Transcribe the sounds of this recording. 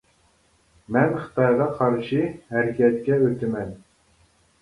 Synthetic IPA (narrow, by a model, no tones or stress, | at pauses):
mænχə̥̆t̪ɑjʁɑqʰɑɾʃihæɾækʲæt̪̚kʲæɵt̪ɘmæn